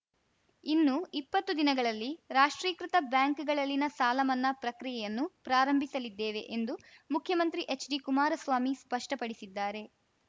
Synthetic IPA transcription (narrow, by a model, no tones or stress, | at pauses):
inːuipːɐt̪ːud̪inɐɡɐɭɐlːiɾaːʂʈɾiːkɾit̪ɐbjaːŋkɡɐɭɐlːinɐsaːlɐmɐnːɐpɾɐkɾijɛjɐnːupɾaːɾɐmbʱisɐlid̪ːeːʋe̞̰ʔend̪umukʰjɐmɐnt̪ɾiʔet͡ʃɖikumaːɾɐsʋaːmispɐʂʈɐpɐɽisid̪ːaːɾe̞